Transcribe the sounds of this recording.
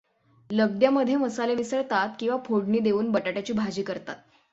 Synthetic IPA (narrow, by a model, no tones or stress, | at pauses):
ləɡ̚d̪jaməd̪ʱjeməsaleʋisəɭt̪at̪kĩw̃ʋapʰoɽɳiːd̪eʋuːnbəʈaʈjat͡ɕiːbʱad͡ʑiːkəɾt̪a̰t̪̚